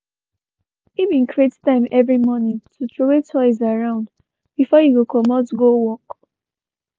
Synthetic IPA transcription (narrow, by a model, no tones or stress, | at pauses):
ivĩnkɹiettãɪ̃mɛvɹimɔnĩtʰutɹowetʰɔɪzaɹãʊ̃nd | bifɔjuwukʰɔmɔtɡowɔk